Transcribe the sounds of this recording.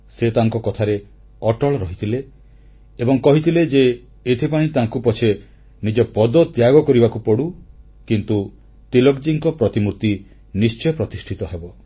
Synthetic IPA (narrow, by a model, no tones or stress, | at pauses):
set̪aŋkɔkɔt̪ʰaɾe | ɔʈɔɭɔɾɔɦit̪ʰileː | bɔŋkɔɦit̪ʰiled͡ʒeː | t̪ʰipãĩt̪aŋkupɔt͡ʃʰe | nid͡ʒɔpɔd̪ɔt̪jaɡɔkɔɾibakupɔɽu | kint̪u | t̪ilɔkd͡ʒiŋkɔpɾɔt̪imuɾt̪i | nist͡ʃɔjɔpɾɔt̪isʈʰit̪ɔɦebɔ